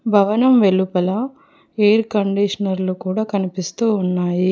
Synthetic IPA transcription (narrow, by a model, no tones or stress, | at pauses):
bʱɐʋɐnɐmʋe̞lːupɐlɐ | eːɾkɐɳɖiʂɐnɐɾlukuːɽaːkɐnipist̪uːnːaːji